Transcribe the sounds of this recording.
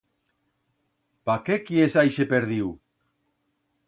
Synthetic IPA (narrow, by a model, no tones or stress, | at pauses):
pakekiesajʃepeɾðiw